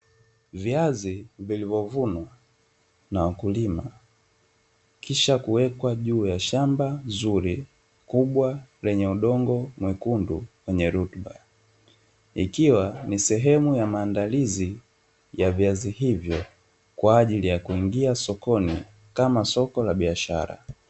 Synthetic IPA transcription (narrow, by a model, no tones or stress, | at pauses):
viazivilivɔvunwa | nawakulima | kʰiʃakuwɛkwaʄuːjaʃambanzuɾi | kuɓwalɛɲɛuɗɔŋɡɔmwɛkunduwɛɲɛɾutɓa | ikiwanisɛɦɛmujamaːndalizi | javiazihivjɔ | kwaːʄilijakuiŋɡiasɔkɔnḭ | kamasɔkɔlaɓiaʃa̰ɾa̰